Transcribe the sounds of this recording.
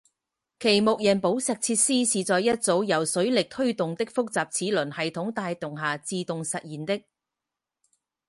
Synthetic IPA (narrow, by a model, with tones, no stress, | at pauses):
kʰe˨˩jmo˨k̚jɐ˨˩npo˨˥wsɛː˨k̚t͡sʰiː˧t̚siː˥siː˨t͡sɔː˨jɐ˥t̚t͡so˨˥wjɐ˨˩wsɵ˨˥ɥlɪ˨k̚t̪ʰɵ˥ɥt̪ʊ˨ŋt̪ɪ˥k̚fʊ˥k̚t͡saː˨p̚t͡sʰiː˨˥lɵ˨˩nhɐ˨jt̪ʰʊ˨˥ŋt̪aː˧jt̪ʊ˨ŋɦaː˨t͡siː˧t̪ʊ˨ŋsɐ˨t̚jiː˨˩nt̪ɪ˥k̚